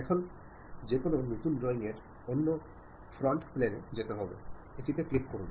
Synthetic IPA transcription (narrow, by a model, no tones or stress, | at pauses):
ɛkʰon | d͡ʑekonenot̪unɖɾɔiŋeɾ | onːo | fɾɔɳʈplenḛd͡ʑet̪eɦɔbḛeʈit̪eklip̚koɾun